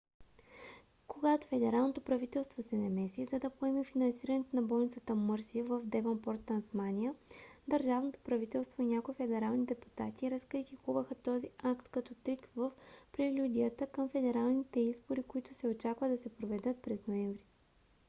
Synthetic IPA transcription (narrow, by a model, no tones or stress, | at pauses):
koɡat̪o̥fɛd̪ɛɾalˠnot̪opɾɐvit̪ɛlˠst̪vosɛnɐmɛsizɐd̪ɐpoɛmifinɐnsiɾənɛt̪ʊnɐbɔlˠnit̪sət̪əmɤɾsiəvəvd̪ɛvɐnpɔɾt̪ːɐnsmanʲiəd̪ɐɾʒavnot̪o̥pɾɐvit̪ɛlˠst̪voinʲakoifɛd̪ɛɾalˠnid̪ɛpu̥t̪at̪iːɾɐskɾit̪ikuvəxət̪ɔziakt̪kɐt̪ɔt̪ɾikvəfpɾilʲud̪ʲijət̪əkəmfɛd̪ɛɾalˠnit̪ɛizboɾikʊit̪ʊsɛot͡ʃakvəd̪ɐsɛpɾovɛd̪ɤt̪̚pɾɛznoɛɱvɾi